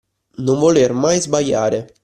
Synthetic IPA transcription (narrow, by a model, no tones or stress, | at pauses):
noɱvolermajzbaʎːaːɾe